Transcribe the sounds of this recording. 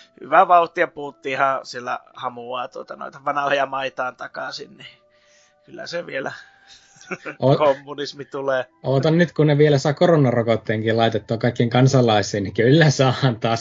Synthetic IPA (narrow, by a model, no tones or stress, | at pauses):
hy̰ʋæʋɑut̪ːiɑpuhut̪ːiːhɑ̃sielːæ̰hɑmuɑːt̪uot̪ɑno̰it̪ɑʋɑnɑhojɑmɑit̪ɑːnt̪ɑkɑsḭnni | kylːæ̰seʋielæ | ʔoːkomːunismit̪uleː | oːt̪ɑnnyt̪kunneʋielæsɑkoronːɑrokot̪ːeːŋkilɑit̪et̪ːuɑkɑikːiŋkɑnsɑlːˑɑisˑiːnnikylːæsɑːɑnt̪ɑːs